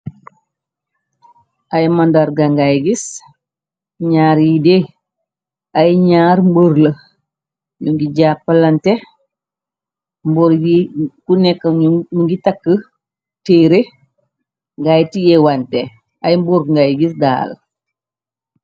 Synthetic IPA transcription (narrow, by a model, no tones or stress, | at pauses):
ʔajmandaɾɡaŋɡajɡis | ɲaːɾjide | ajɲaːɾmboɾlə | ɲuŋɡiɟapːɐlante | mboɾɡikunɛkːɐnuŋɡitakːə | teːɾe | ŋɡajtijɛwante | ajmbuɾŋɡajɡis̬da̰ːl